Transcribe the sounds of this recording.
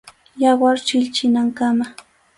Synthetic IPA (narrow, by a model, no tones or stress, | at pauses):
jɑwaɾt͡ʃɪʎt͡ʃɪnaŋkama